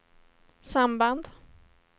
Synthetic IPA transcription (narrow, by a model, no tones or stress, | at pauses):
samband̪